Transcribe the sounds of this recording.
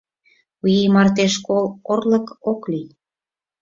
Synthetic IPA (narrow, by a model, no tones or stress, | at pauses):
ujimɑrt̪eʃkolorlə̆koklij